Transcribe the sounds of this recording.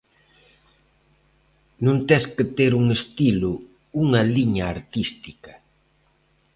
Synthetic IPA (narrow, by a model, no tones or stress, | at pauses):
nũnt̪ɛskɪt̪eɾuŋest̪ilʊ | uŋɐliɲaːɾt̪ist̪ikɐ